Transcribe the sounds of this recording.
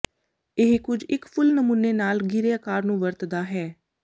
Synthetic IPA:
ɪɦkʊd͡ʒɪkpʰʊlnəmuːnːeːnaːlɡiːɾeːəkaːɾnũːʋəɾt̪d̪aːɦɛː

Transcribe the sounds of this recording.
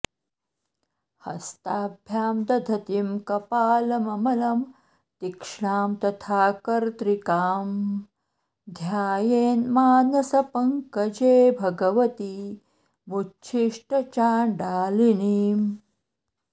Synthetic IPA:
hɐ̰st̪aːbʱjaːmd̪ɐd̪ʱɐt̪imkɐpaːlɐmɐmɐlɐm | t̪ikʂɳaːmt̪ɐt̪ʰaːkɐɾt̪ɾikaːm | d̪ʱjaːjeːnmaːnɐsɐpɐŋkɐd͡ʒeːbʱɐɡɐʋɐt̪i | mutːt͡ʃʰiʂʈɐt͡ʃaːɖaːliniːm

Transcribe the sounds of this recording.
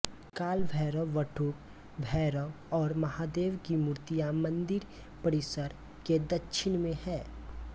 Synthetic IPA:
kaːlbʱɛːɾəʋəʈʰuːk | bʱɛːɾə | ɔːɾmɐɦaːd̪eːʋkimuɾt̪ijamɐ̃nd̪ɪɾ | pɐɾɪsəɾ | ked̪ɐtːʃʰɪnmẽhɛː

